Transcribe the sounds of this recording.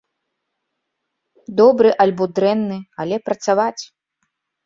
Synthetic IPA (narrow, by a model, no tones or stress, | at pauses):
d̪ɔbɾɨʔalʲbɔd̪ɾɛnːɨalʲɛpɾɐt̪savat͡sʲ